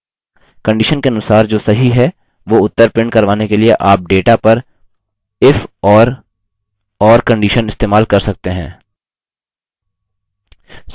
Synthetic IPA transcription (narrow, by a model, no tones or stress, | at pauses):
kɐ̃ɳɖiːʃənkeɐnʊsaːɾd͡ʒoːsɐɦiɦɛ | ʋoːʊt̪ːəɾpɪ̃ɳɖkɐɾʋaːnekelieʔaːp̚ɖeːʈapɐɾ | ɪfɔːɾ | ɔːɾkɐ̃ɳɖiːʃənɪst̪eːmaːlkɐɾsɐk̚t̪eɦɛ̃ː